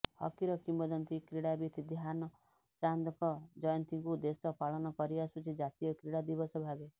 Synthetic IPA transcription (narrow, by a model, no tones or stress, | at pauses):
hɔ̰kiɾɔkimbɔd̪ɔnt̪ikɾiɽabit̪ʰid̪iɦanɔ | t͡ʃand̪ɔkɔd͡ʒɔjɔnt̪iŋkud̪esɔpaɭɔnɔkɔɾiasut͡ʃʰid͡ʒat̪ijɔkɾiɽad̪ibɔsɔbʱabe